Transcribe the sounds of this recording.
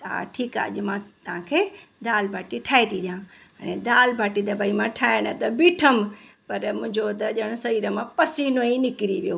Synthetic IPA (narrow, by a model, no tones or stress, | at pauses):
t̪ɐa̰ʈʰiːka̰ːɐ̰ʄmãt̪ɐʋ̤ãkʰeːd̪aːlbʱaːʈiʈʰaːet̪ʰiʄã | ɽ̃ḛ̃d̪aːlbʱaːʈid̪ɐbaːimãʈʰaːɪɽ̃ət̪ɐbiːʈʰəm̆pɐɾmʊ̃ɦɪ̃ɲd͡ʑot̪ɐʄəɽ̃ʊsɐiːɾəmãpɐsiːnoĩnɪkɪɾiʋijoː